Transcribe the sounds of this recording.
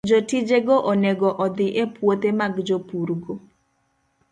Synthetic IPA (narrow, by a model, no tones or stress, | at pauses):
d͡ʒotid͡ʒeɡoʔɔneɡɔʔɔd̪ɪʔepwot̪emaɡd͡ʒopuɾɡo